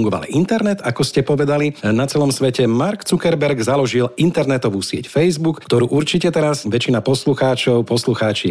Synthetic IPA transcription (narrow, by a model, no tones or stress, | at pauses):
ŋɡɔʋa̰lḭʔint̪ɛɾnɛt̪akɔscɛpɔʋɛd̪alinat͡sɛlɔmsʋɛcɛmaɾkt͡sukɛɾbɛɾɡzalɔʒilint̪ɛɾnɛt̪ɔʋuːsɪɛ̰cfɛjzbukːt̪ɔɾuːʔuɾt͡ʃicɛt̪ɛɾazʋɛt͡ʃinapɔsluxaːt͡ʃɔʊpɔsluxaːt͡ʃi